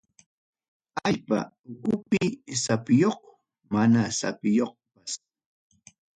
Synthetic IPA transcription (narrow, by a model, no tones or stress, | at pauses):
aʎpa̰ | ʊkʊpɪsapɪjoχ | manasa̰pɪjoq̚pas